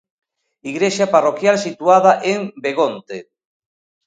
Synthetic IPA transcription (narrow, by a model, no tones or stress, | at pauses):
iɣɾeʃaparokjalsit̪uaðaʔeŋbeɣont̪e